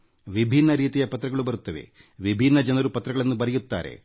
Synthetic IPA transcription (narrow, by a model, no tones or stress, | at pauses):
ʋibʱinːɐɾiːt̪ijɐpɐt̪ɾɐɡɐɭubɐɾut̪ːɐʋḛ | ʋibʱinːɐd͡ʒɐnɐɾupɐt̪ɾɐɡɐɭɐnːubɐɾɛjut̪ːa̰ːɾe̞̰